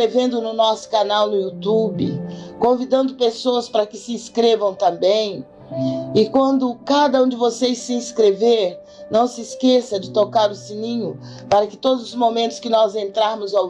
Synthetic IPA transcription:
evẽnd̪ʊnʊnɔsʊ̥kanawnʊut̪ubɪ̰kõvid̪ɐ̃nd̪ʊpesoɐspaɾɐkɪsɪĩskɾevɐ̃w̃t̪ɐ̃mbẽj̃ | ɪkwɐ̃nd̪ʊkad̪ɐũd͡ʒɪvosejssɪĩskɾeveɾ | nɐ̃w̃sɪːskesɐd͡ʒɪt̪okaɾʊsĩnĩɲʊ | paɾɐkɪ̥t̪od̪ʊzʊzmõmẽnt̪ʊ̥skɪnɔzẽnt̪ɾaɾmʊza

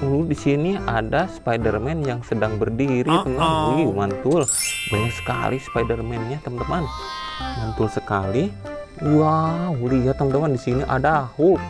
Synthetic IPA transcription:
uludisiniadaspajdərmɛnjaŋsədaŋbərdiɾit̪əmanimant̪ʊlbaɲaksə̥ka̰lispajdərmɛnɲat̪əmant̪əman | mant̪ʊlsəkali | waulijat̪ːəmant̪əmandisiniʔa̰dahu

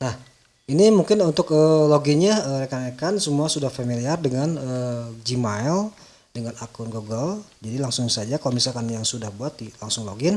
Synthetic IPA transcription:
nah | inimuŋkɪnunt̪ʊkəloɡinɲaəɾekanakansəmuasudahfamiliardəŋanəd͡ʒimaɛl | dəŋanakʊnɡoɡəld͡ʒadilaŋsʊŋsad͡ʒakalomisalkanjaŋsudahbuat̪̚dilaŋsʊŋloɡɪn

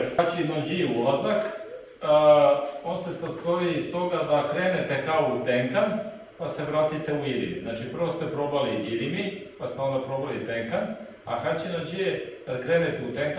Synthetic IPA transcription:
at͡ɕinod͡ʒijeulˠazakː | o̞ːnse̞sast̪oʋiist̪o̞ɡad̪akɾe̞ːne̞t̪e̞kaout̪e̞ŋkan | pase̞ʋɾaːt̪it̪e̞uiɾḭmḭznaːt͡ʃipr̩ʋo̞st̪epɾo̞baliʔiɾimipast̪eo̞nd̪apɾo̞balit̪eŋkan | a̰xat͡ɕinod͡ʑijedakɾe̞ːnet̪eut̪eŋk

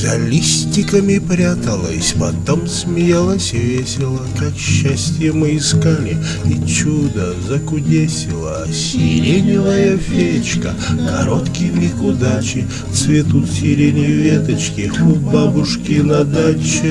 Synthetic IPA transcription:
zɐlʲisʲtʲɪkəmʲɪpɾʲat̪əlˠəsʲpɐt̪omsmʲɪjalˠəsʲɪvʲesʲɪlˠəkɐɕːasʲtʲjəmɨɪskalʲɪ | it͡ɕud̪ə | zɐkʊdʲesʲɪlˠɐ̰ | sʲɪ̰ɾʲedʲnʲɪvəjəfʲet͡ɕkə̰kɐ̰ɾot̪kʲɪmʲɪkʊd̪at͡ɕɪ | t̪svʲɪt̪ut̪sʲɪɾʲenʲɪjʊvʲet̪ɐt͡ɕkʲɪobabʊʂkʲɪnɐd̪at͡ɕɪ

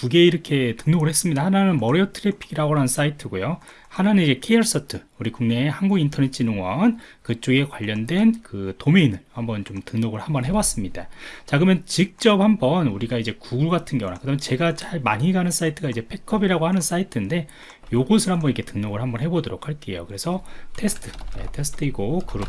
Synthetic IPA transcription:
kuɡe̞iɾʌkʰe̞tɯŋnoɡɯɭhe̞s͈ɯmɲidahananɯnmʌɾeʌtʰɯɾepʰiɡiɾaɡoɾanns͈aitʰɯɡojo | hanɯnnid͡ʑe̞kʰejʌɭs͈ʌtʰɯuɾikuŋnehanɡuɡintʰʌnet͡ɕʰinoŋwʌnkɯt͡ɕ͈oɡe̞kwaʎːʌndwe̞nkɯtome̞inːɯnhambʌnt͡ɕomtɯŋnoɡɯɭhambʌnɦe̞was͈ɯmɲid̥at͡ɕaɡɯmjʌnt͡ɕik̚t͡ɕ͈ʌp̚hambʌnuɾiɡaid͡ʑe̞kuɡuɭɡatʰɯnɡewnakɯdamjʌt͡ɕe̞ɡat͡ɕaɭmaɲɦiɡanɯns͈aitʰɯɡaid͡ʑe̞pʰe̞kʰːʌbiɾaɡohanɯns͈aitʰɯnde̞ | joɡosʰɯɭhambʌnikʰe̞tɯŋnoɡɯɭhambʌnɦe̞bodoɾokʰaɭk͈e̞jo̰kɯɾe̞sʰʌtʰe̞sʰɯ̥tʰɯ̥je̞̰tʰe̞sʰɯ̥tʰɯiɡokɯɾʌ

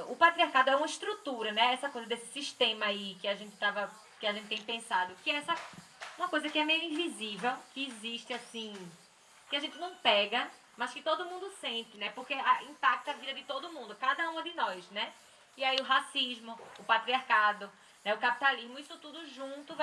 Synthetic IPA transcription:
ʊpat̪ɾiaɾkad̪ʊɛũmɐiʃt̪ɾut̪uɾɐnɛɛsɐkojzɐd̪esɪ̥siʃt̪ẽmɐaikɪaʒẽnt̪ɪ̥t̪avɐ | kɪaʒẽt̪ɪt̪ẽj̃pẽsad̪ʊkɪɛɛsɐũmɐ̃kojzɐkɪɛmejʊĩvizivewkɪːziʃt̪ɪasĩ | kɪaʒẽnt̪ɪnɐ̃w̃pɛɡɐ | mɐskɪt̪od̪ʊmũd̪ʊsẽnt̪ɪnɛpoɾkeaĩpak̚t̪ɐavid̪ɐd̪ɪt̪od̪ʊmũnd̪ʊkad̪ɐũɐ̃d̪ɪnɔjsnɛ | iaiʊɦasiʒmʊʊpat̪ɾiaɾkad̪ʊ | nɛʊkapi̥t̪aliʒmʊisʊt̪ud̪ʊʒũt̪ʊv

